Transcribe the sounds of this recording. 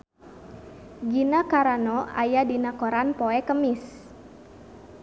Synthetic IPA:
ɡinakaɾanɔa̰jadinakoɾanpoɛkəmis

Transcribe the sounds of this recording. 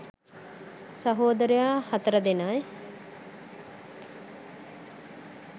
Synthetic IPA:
sɐɦoːd̪əɾejaːhɐt̪əɾəd̪enaj

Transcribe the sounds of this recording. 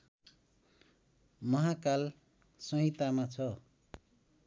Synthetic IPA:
mʌɦakal | sʌɦĩt̪amat͡sʰʌ

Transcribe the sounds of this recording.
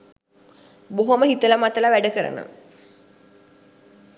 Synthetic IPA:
boɦoməɦit̪ələmat̪əlaʋæɖəkəɾə̰nə̰

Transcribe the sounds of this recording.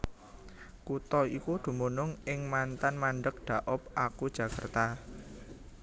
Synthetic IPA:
kut̪ɔikud̪̥ṳmunʊŋɪŋmant̪anmaɳɖək̚ɖ̪̥a̤ʔʊp̚akud̥ʒ̥ä̤ka̰rt̪a

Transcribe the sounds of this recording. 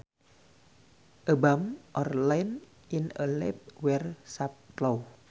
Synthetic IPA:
ʔəbamʔɔrlajn | ʔinəlɛp̚wɛrsap̚tlow

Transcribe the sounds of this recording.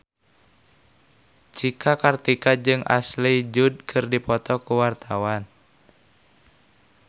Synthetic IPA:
t͡ʃikʰakart̪ikad͡ʒɨŋʔa̰slid͡ʒud̚kʰɨrdipɔt̪ɔkuwart̪ʰawan

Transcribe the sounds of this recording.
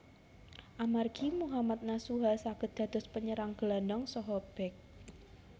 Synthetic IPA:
ʔamarɡ̥imuɦamat̪̚nasuɦasaɡ̥ə̤t̪̚d̪̥ä̤d̪̥ɔ̤spəɲəɾaŋɡ̥landɔŋsɔɦɔb̥ɛk̚

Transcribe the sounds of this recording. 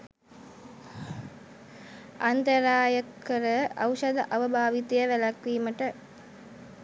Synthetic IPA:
ant̪əɾaːjəkʰːəɾəawʃɐd̪əʔaʋəbʱaːʋit̪ɐjəʋælakʋiːməʈə

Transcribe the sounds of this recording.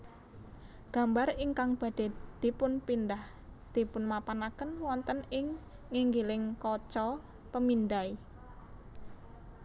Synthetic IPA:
ɡ̥a̤mbariŋkaŋb̥ä̤d̥e̤d̪̥i̤pʊnpindah | d̪̥i̤pʊnmapanakənwɔnt̪ənɪŋː | iŋɡilɪŋkɔt͡ʃɔ | pəmind̪ai

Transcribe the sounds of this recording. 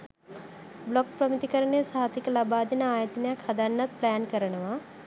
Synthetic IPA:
blok̚pɾəmit̪ikəɾəɳesaɦat̪ikəlabaːd̪inəaːjət̪ənejakhad̪anːat̪̚plajankəɾənəʋa

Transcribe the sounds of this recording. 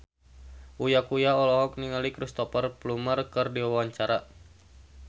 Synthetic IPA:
ʔujakujaɔlɔɦɔk̚niŋalikɾist̪ɔpərplumərkɨrdiawawaɲt͡ʃaɾa

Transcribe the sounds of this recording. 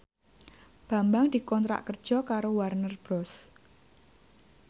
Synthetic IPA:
b̥a̤mbaŋd̪̥i̤kɔnt̪ɾa̰ʔkər̥ʒ̥ɔ̤kaɾowarnərb̥ɾɔs

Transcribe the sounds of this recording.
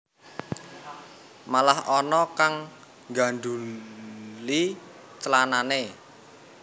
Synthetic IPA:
malahɔnɔkaŋ | ɡa̤ɳɖu | li | t͡ʃəlanane

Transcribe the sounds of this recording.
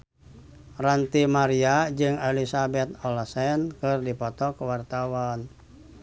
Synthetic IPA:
rant̪imaɾiad͡ʒɨŋelisabɛt̪̚ɔlasɛnkɨrdipɔt̪ɔkəwart̪awan

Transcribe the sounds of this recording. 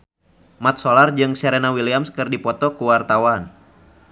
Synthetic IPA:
mat̪̚solard͡ʒɨŋsɛɾenawiliamskɨrdipɔt̪ɔkuwart̪awan

